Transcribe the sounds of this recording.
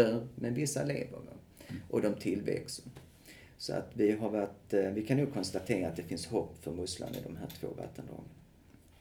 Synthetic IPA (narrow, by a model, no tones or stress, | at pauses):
əɾmɛnvɪsːaleːvəvɔ̰ | ʔɔd̪ɔmt̪ʰɪlvɛ̰ksə | sɔa̰t̪vɪɦaɾvaʈvɪkʰanːuːɡ̚kʰɔnst̪at̪ʰeːɾaːt̪̚d̪ɛfɪnshɔpːfœɾmɵsla̰nɪ̰d̪ɔmɦæːʈʰvo̰ːva̰t̪ʰːənd̪ɔ̰ŋən